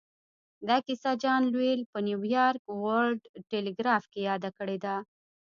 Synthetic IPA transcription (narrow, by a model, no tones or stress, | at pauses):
d̪ɑkɪsad͡ʒɑnlwelpənjuwjɑɾkwalɖʈeleɡɾɑfkejɑd̪akəɽed̪a